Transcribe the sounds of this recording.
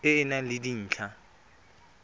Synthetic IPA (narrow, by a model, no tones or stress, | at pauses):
ɪːnalɪdin̩ːt͡ɬʰa